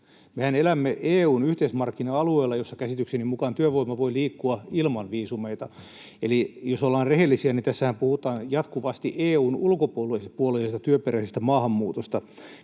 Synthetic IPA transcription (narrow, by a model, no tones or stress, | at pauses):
mehænelæmːeʔeːuːnyht̪eismɑrkːinɑɑlueːlːɑjosːɑkæsit̪yksenimukɑnt̪yøʋoimɑʋoiliːkːuɑilmɑnʋiːsumeit̪ɑ | elijosolːɑːnrrehelːisiænit̪æsːæhæmpuhut̪ɑːnjɑt̪kuʋɑst̪iʔeːuːnulkopuolpuolesest̪ɑt̪yøpeɾæsest̪æmɑːhɑmːuːt̪ost̪ɑ